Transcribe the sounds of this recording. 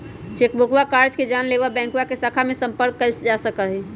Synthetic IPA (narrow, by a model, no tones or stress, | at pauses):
t͡ʃekbokwakaɾd͡ʒked͡ʒanleʋabɛ̃ŋkuwakesakʰamesəmpəɾkːəld͡ʒasəkəɦɛ